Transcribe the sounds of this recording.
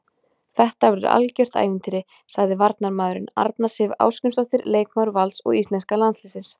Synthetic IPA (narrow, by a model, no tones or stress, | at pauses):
θɛht̪avɾʏɾa̰lcœr̥t̪a̰ːjvɪnt̪ɪɾɪ | saɣðɪvaɾt̪naɾmaːðʏɾʏna̰ɾt̪nasɪva̰ːwscʏnsɔht̪ɪɾleːjkmawɾvalt̪sɔ̰ɣist̪ɛnskalanslɪsɪns